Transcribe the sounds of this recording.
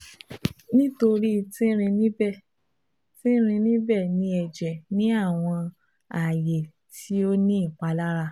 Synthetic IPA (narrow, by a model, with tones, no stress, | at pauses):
nĩ˦to˧ɾi˦˨tĩ˦ɾ̃ĩ˧nĩ˦bɛ˦˨ | tĩ˦ɾ̃ĩ˧nĩ˦bɛ˦˨nĩ˧ɛ˨d͡ʒɛ˨nĩ˨˦a˦˨w̃ɔ̃˧ | a˨je˨ | tʰi˨˦o˦nĩ˦i˦˨k͡pa˧la˦ɾa˧